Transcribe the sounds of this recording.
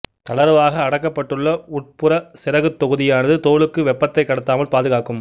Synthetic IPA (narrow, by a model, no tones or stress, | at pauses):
t̪ɐɭɐɾʋaːɣɐːɽɐkːɐpːɐʈːɯɭːɐʊʈ̚pɯɾɐsɪɾɐɣɯt̪ːɔɣɯðɪjaːnɐðɯt̪oːɭɯkːɯʋɛpːɐt̪ːɐɪkːɐɽɐt̪ːaːmɐlpaːðɯɣaːkɯm